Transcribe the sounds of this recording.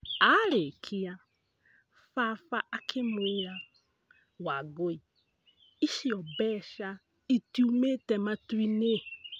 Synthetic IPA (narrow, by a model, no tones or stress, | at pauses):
aɾekʰia | fafaʔakʰemuja | waɡoi | iʃiɔbɛʃa | itiumetɛmatwine